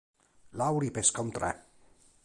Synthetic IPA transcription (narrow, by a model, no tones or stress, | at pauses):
lawɾipeskɔnt̪ɾɛ̰